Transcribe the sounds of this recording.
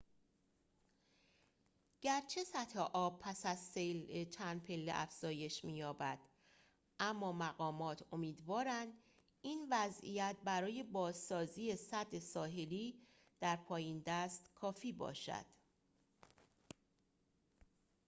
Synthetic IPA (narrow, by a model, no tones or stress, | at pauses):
ɟ̥æɾt͡ʃʰe̞sæt̪heʔɒːb̚pʰæsæzsejlet͡ʃʰænd̪̚pʰe̞lːḛʔæ̰fz̥ɒːje̞ʃmiːjɒːbæd̪̥ | ʔæmːɒːmæɣɒːmɒːt̪ʰo̞miːd̪vɒːɾænd̪ | iːnvæzḭjæt̪̚ʰbæɾɒːje̞bɒːzsɒːziːe̞sæd̪ːesɒːɦe̞liː | d̪̥æɾpʰɒːjind̪æst̪kʰɒːfiːbɒ̰ːʃæ̰d̪̥